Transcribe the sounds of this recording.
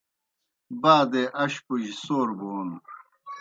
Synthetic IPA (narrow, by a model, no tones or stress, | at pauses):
baːd̪eʔɐɕpuʑisoːɾboːn